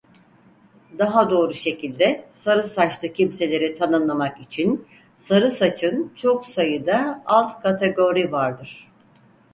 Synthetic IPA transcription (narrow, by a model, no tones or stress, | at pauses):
d̪aɦad̪o̞ːɾuʃe̞cʰilʲd̪ɛsaɾɯsat͡ʃlˠɯcʰimse̞lʲe̞ɾit̪ʰanɯnlˠamakit͡ʃʰin | saɾɯsat͡ʃʰɯnt͡ʃʰo̞ksajɯd̪aalˠt̪kʰat̪ʰe̞ɡo̞ɾivaɾd̪ɯɾ̥